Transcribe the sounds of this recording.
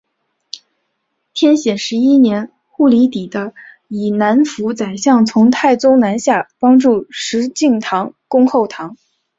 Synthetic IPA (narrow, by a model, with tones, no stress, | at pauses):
t̪ʰjɛ˥nɕjɛ˨˩nʂɻ̩˧˥i˥njɛ˧˥n | xu˥˩li˧˥t̪i˨˩d̪ə˦ | i˨˩na˧˥nfu˧˥t͡sa˨˩ɪɕjɑ˥˩ŋt͡sʰʊ˧˥ŋt̪ʰa˥˩ɪt͡sʊ˥ŋna˧˥nɕja˥˩pɑ˥ŋʈ͡ʂu˥˩ʂɻ̩˧˥t͡ɕi˥˩ŋt̪ʰɑ˧˥ŋkʊ˥ŋxo˥˩ʊt̪ʰɑ˧˥ŋ